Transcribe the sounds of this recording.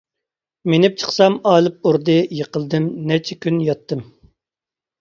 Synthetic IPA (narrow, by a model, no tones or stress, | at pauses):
menɪp̚t͡ʃʰə̥χsɑmɑːlˠɨp̚uɾd̪ɨjəqəlˠd̪ɨmnɛt͡ʃʰɛkʲynjɑt̪ːɨm